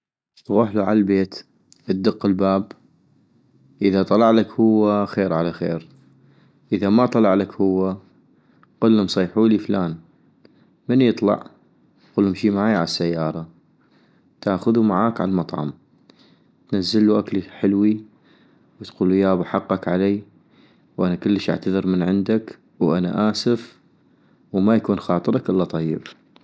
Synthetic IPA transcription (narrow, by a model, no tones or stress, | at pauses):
ɣʊħluʕa̰lalbeːt̪ | ʔəd̪ɨqːɪlbaːb | ʔəðat̪ˤɑlɑʕlakhʊwːaxeːɾʕalaxeːɾ | ʔɪðamat̪ˤɑlɑʕlakhʊwːa | qʊlːʊmsˤɑːħuːliflaːn | mənjɨt̪ˤlɑ̰ʕ | quːlhʊmʃiːmaʕaːjʕalasːajːɑːɾˤɑ | t̪aːxʊðumaʕaːkʕa̰lmɑt̪ˤʕɑ̰m | t̪nazːɪlːuʔaklħɪlwi | wt̪quːlujaːbaħɑqːɑkʕalaː | wʔanakʊlːəʃʔa̰ʕt̪aðɨɾmənʕɪnd̪ak | wʔana̰ʔaːsɪf | wmajakuːnxɑːt̪ˤɨɾˤɑkʔɪlːat̪ˤɑjːɪ̰b